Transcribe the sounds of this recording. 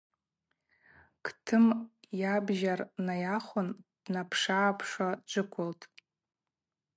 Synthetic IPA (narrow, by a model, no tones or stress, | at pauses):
kʰtʰɨmjabʒarnajaχʷʊnd̥napʰʂaːpʰʂad͡ʒʷɨkʷʰʊltʼ